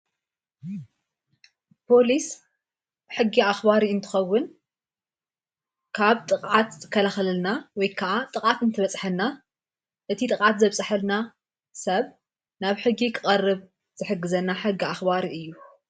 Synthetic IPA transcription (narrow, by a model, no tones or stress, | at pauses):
pʰo̞lis | bħɨɡːiaxbaɾiɨnt̪ʰɨ̥xɐwːʊn | kʰaβt̪ʼɨqʼʕat̪zɨkʰːɐlaxlɨlnawɔjkʰaʔat̪ʼɨkʼʕat̪ɨnt̪ʰɨβɐt͡sʼħɐlna | ʔɨt̪ʰit̪ʼɨkʼʕat̪zɐβsʼɨħɐlna | sɐβ | naβħɨɡːikʰɨχʼɐrːɨβ | z̥ɨħɨɡːɨzɐnːaħɨɡːiaxbaɾiʔɨjːu